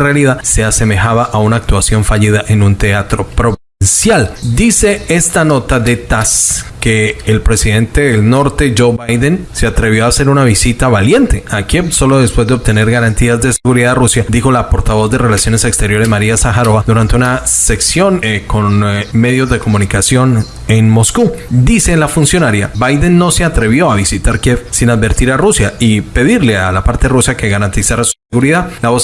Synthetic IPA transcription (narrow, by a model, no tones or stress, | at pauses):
realiðase̞ase̞me̞xaβaʔaunaːk̚t̪wasjo̞ɱfaʎiðaʔe̞nunt̪e̞at̪ɾo̞pɾo̞βinsjald̪ise̞e̞st̪ano̞t̪aðe̞t̪aske̞ːlpɾe̞siðe̞nt̪e̞ðelno̞ɾt̪e̞d͡ʒo̞wbajd̪ense̞at̪ɾe̞β̞jo̞ase̞ɾunaβisit̪aβalje̞nt̪e̞akeso̞lo̞ðe̞spwe̞zd̪e̞oβt̪e̞ne̞ɾɣaɾant̪iazd̪e̞se̞ɣuɾiðarusjad̪ixo̞lapo̞ɾt̪aβo̞zd̪e̞re̞lasjo̞ne̞se̞kst̪e̞ɾjo̞ɾe̞zmaɾiasaxaɾo̞βad̪uɾant̪e̞unase̞ksjo̞nko̞nme̞ðjo̞zd̪e̞ko̞munikasjo̞n | e̞nmo̞skud̪ise̞lafunsjo̞naɾjabajd̪e̞nːo̞se̞at̪ɾe̞βjo̞aβisit̪aɾkjefsinaðbe̞ɾt̪iɾarusjaipe̞ðiɾle̞alapaɾt̪e̞rusake̞ɣaɾant̪isaɾasu̥se̞ɣuɾiðalaβo̞s